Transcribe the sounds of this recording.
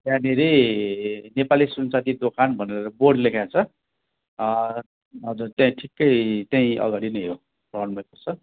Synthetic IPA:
t̪janeɾe | nepalisunt͡sat̪id̪okʰanbʱʌneɾeɾʌborɖlekʰjat͡sʰʌ | ʌd͡zut̪jãĩʈʰikːʌjt̪jãĩʔʌ̰ɡaɽinʌjɦo | prʌbʌnbʌjkʌrt͡sʰʌ

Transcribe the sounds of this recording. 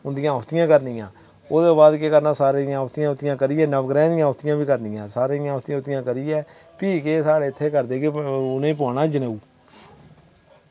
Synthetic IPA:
ʊnd̪ɪjãːt̪ɪjãːkəɾnɪːãː | oːd̪oːbaːd̪keːkəɾnãːsaːɾeːɪãːt̪ɪjãːʊt̪ːɪjãːkəɾɪːɛːnəʋɡɾɛ̃ːd̪ɪjãːt̪ɪjãːbiːkəɾnɪjãːsaːɾeːɪjãːt̪ɪjãːʊt̪ɪjãːkəɾiːɛː | piːkeːsaːɽeːt̪ʰːeːkəɾd̪eːkeʊnẽːp̬ʊaːnaːd͡ʒəneːuː

